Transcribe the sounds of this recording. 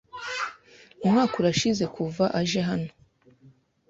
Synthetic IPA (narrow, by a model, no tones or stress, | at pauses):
umŋaːkuɾaʃize̞kʰuvaʔaʒeɦano̞